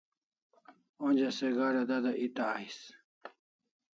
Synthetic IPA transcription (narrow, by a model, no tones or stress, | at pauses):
ond͡ʑaseɡaɾad̪ad̪aʔit̪aːis